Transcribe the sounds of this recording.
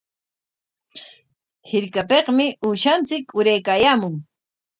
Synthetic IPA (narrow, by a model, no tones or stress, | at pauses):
hɪɾkapeqmɪʔʊʃant͡sɪkʊɾajkaːjaːmʊŋ